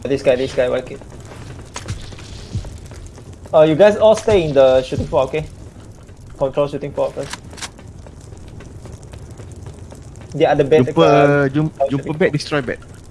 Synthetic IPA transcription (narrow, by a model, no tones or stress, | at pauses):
disɡajdisɡajwa̰tke | əjuɡaɪjsɔlsteĩndəʃutĩŋfɔoke | kɔ̃ntɹolʃutĩŋfɔokɛ | dɛadəbɛũmɛkpəd͡ʒumd͡ʒũəbɛdistɹɔjbɛ̰t̚